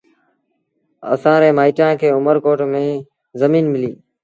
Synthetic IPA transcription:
ə̰sãːɾeːmaːiːʈãːkʰeːʊməɾkoːʈmẽː | zəmiːnmɪliː

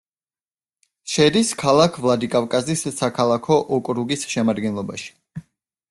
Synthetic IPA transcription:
ʃɛɾiskʰalˠakʰvlˠad̪ikʼavkʼazisːakʰalˠakʰɔʔɔkʼɾuɡisʃɛmad̪ɡɛnlˠɔbaʃi̥

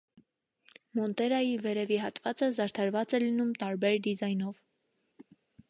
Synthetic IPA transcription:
mɔnt̪ɛɾɑjivɛɾɛviɦɑt̪vɑt͡səzɑɾt̪ʰɑɾvɑt͡sɛlinumt̪ɑɾbɛɾd̪izɑjnɔv

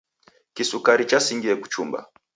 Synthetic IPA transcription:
kisukaɾit͡ʃasiŋɡiɛku̥t͡ʃumba̰

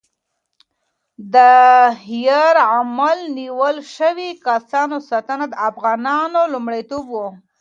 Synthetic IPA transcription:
d̪əhjəɾamalniwəlʃəwikasɑnosɑt̪ənad̪əafɣɑnɑnolumɽajt̪obwo

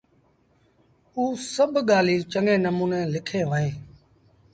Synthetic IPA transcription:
uːsəbʱɠaːliːt͡ʃəŋẽːnəmuːnẽːlɪkʰẽːʋəɦẽː

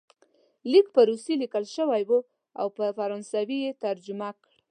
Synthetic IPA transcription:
likpəɾusilikəlʃəwajwu | a̰wpəfaɾɑnsawijet̪aɾd͡ʒʊmakɽ

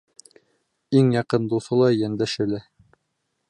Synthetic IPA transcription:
iŋjɑqɤnd̪uθɤ̆lˠɑjænd̪æʃɘ̆læ

